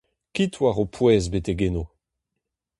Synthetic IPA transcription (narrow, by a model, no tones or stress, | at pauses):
kitwaʁopʰwɛːzbeteɡeno